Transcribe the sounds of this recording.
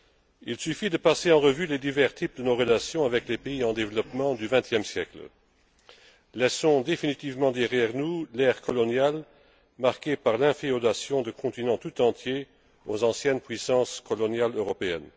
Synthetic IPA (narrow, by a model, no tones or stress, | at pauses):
ilsyfid̪əpaseɑ̃ʁəvyled̪ivɛʁt̪ʰip̚d̪ənoʁəlasjɔ̃avɛklepeiɑ̃d̪evlɔpmɑ̃d̪yvɛ̃t̪jɛmsjɛklə | lɛsɔ̃d̪efinit̪ivmɑ̃d̪ɛʁjɛʁnulɛːʁkʰɔlɔnjal | maʁkepaʁlɛ̃fiɔd̪asjɔ̃d̪əkʰɔ̃t̪inɑ̃t̪ut̪ɑ̃t̪je | ozɑ̃sjɛnpɥisɑ̃skɔlɔnjaløʁɔpeɛ̰n